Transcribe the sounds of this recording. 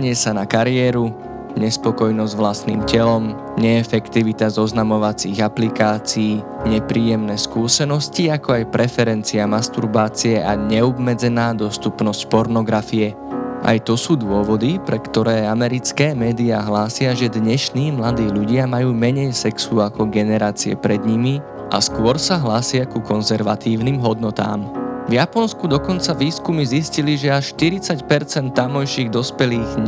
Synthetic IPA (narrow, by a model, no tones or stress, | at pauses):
ɲɪɛsanakaɾɪɛːɾu | ɲɛspɔkɔjnɔzɟʋlast̪nḭːmcɛlɔm | ɲɛːfɛkt̪iʋit̪azɔznamɔʋat͡siɣaplikaːt͡siː | ɲɛpɾiːjɛmnɛːskuːsɛnɔsciakɔajpɾɛfɛɾɛnt͡siamast̪uɾbaːt͡siɛʔaɲɛɔbmɛd͡zɛnaːd̪ɔst̪upnɔscpɔɾnɔɡɾafiɛ | ʔa̰jt̪ɔsuːd̪ʊɔʋɔd̪ipɾɛkt̪ɔɾɛːamɛɾit͡skɛːmɛːd̪iaːɦlaːsɪaʒɛd̪ɲɛʃniːmlad̪iːʎuɟɪamajuːmɛɲɛjsɛksuakɔɡɛnɛɾaːt͡siɛ̰pɾɛd̪ɲimi | ʔa̰skʊɔɾsaɦlaːsɪakukɔnzɛɾʋat̪iːʊnimɦɔd̪nɔt̪a̰ːmvjapɔnskud̪ɔkɔnt͡saʋiːskumizisciliʒɛaʃʃt̪iɾit͡sacpɛɾt͡sɛnt̪ːamɔjʃiɣd̪ɔspɛliːɣ